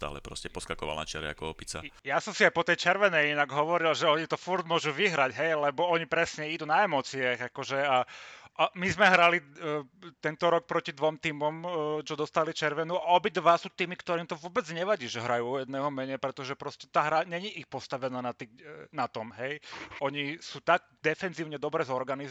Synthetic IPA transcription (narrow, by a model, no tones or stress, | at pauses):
st̪a̰ːlɛ̰pɾɔ̰scɛpɔskakɔʋa̰lna̰t͡ʃɛ̰ɾɛ̰a̰kɔɔpit͡sa̰jasɔmsiajpɔt̪ɛjt͡ʃɛɾʋɛnɛjinaɡɦɔʋɔɾilʒɛɔɲit̪ɔfuɾd̪mʊɔʒuʋiɦɾaɟɦɛjlɛbɔɔɲipɾɛsɲɛid̪unaɛmɔt͡siaɣakɔʒɛaʔmizmɛɦɾali | t̪ɛnt̪ɔɾɔk̚pɾɔcid̪ʋɔmt̪iːmɔmt͡ʃɔd̪ɔst̪alit͡ʃɛɾʋɛnuaɔbid̪ʋasuːt̪iːmikt̪ɔɾiːmt̪ɔʋʊɔbɛd͡zɲɛʋaɟiːʒɛɦɾajuːjɛd̪nɛːɦɔmɛɲɛpɾɛt̪ɔʒɛpɾɔscɛt̪aɦɾaɲɛɲiʔixpɔst̪aʋɛnaːnat̪inat̪ɔmɦɛjʔɔɲisuːt̪aɡ̚ | d̪ɛfɛnziːʊɲɛd̪ɔbɾɛːzɔɾɡani